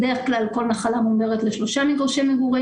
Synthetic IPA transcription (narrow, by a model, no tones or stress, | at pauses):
de̞eχklalko̞lnaχalamueʁetleʃlo̞ʃamiɡʁoʃemeɡuʁi